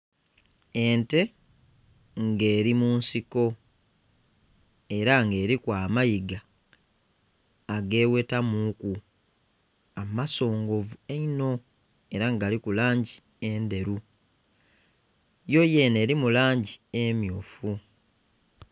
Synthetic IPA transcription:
e̞nte̞ | ŋɡe̞ːɾimuːnsiko̞ | e̞ɾaŋɡe̞ːɾikwaːmajiɡa | ɡe̞ːwe̞tamuku | amaso̞ːŋɡo̞vueino̞ | e̞ɾaŋɡalikulaːɲɟi | e̞nde̞ɾu | jo̞je̞ːne̞ːɾimulaːɲɟiemjuːfu

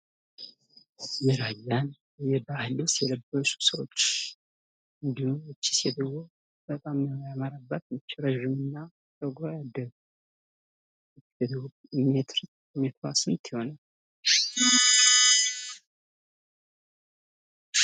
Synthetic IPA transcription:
jɛɾajːan | jɛbahləsjɛləbːəsu̥səwot͡ʃː | ɨnd̪ihumɨt͡ʃːi̥sjɛd̪əwo | b̥ət̪ʼamːəhojaməɾabːət̪mɨt͡ʃːɛɾəʒɪmɨnːa | t̪ʼəɡajad̪ːəɡu | ɛd̪ | met̪ɾ | mɛt̪ʰasmt̪jɪho̞na

